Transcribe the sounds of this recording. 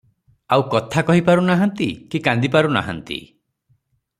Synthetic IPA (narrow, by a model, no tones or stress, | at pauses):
awkɔt̪ʰakɔɦipaɾunaɦɔnt̪ikikand̪ipaɾuna̰ɦɔ̰nt̪ḭ